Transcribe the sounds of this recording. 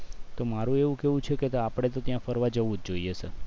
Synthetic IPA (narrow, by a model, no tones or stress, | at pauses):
t̪omaɾũeʋũkeʋũt͡ʃʰeket̪oapɽ̃et̪ot̪jãfəɾʋad͡ʒəʋũd̪̚d͡ʒoijesə